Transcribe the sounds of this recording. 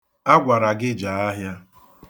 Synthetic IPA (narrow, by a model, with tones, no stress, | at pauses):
a˦ɡʷa˨ɾa˨ɡɪ˦d͡ʒa˨a˦ɦja˦